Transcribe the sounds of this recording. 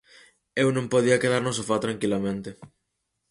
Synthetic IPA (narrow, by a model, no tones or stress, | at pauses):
ewnõmpoð̞iɐkeð̞aɾnos̬afat̪ɾaŋkilamẽnt̪e